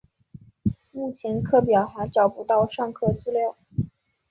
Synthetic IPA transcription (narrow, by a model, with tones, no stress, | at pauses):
mu˥˩t͡ɕʰɛ˧˥nkʰɤ˥˩p̬jɑ˨˩ʊxa˧˥ʈ͡ʂɑ˨˩ʊpu˧˥t̪ɑ˥˧ʊʂɑ˥˧ŋkʰɤ˥˧t͡su˥˧ljɑ˥˩ʊ